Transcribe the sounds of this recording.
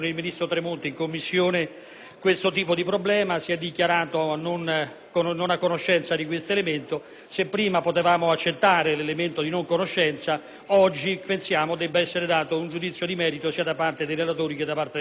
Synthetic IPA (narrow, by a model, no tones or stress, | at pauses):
nilminist̪ɾot̪ɾemont̪iŋkomːisːjoːne | kwest̪ot̪iːpod̪ipɾoblɛːmasiɛd̪ːikjaɾaːt̪onon | kononakːonoʃːɛnt̪sad̪ik̬west̪oelement̪o | sepːɾiːmapot̪evaːmoat͡ʃːet̪ːaːɾelelement̪od̪inoŋkonoʃːɛnt̪sa | ɔd͡ʒːipensjaːmod̪ɛbːaɛsːeɾed̪aːt̪ound͡ʒud̪it̪sːjod̪imɛːɾit̪osiːad̪apart̪ed̪ejɾelat̪oːɾiked̪apːaɾrt̪e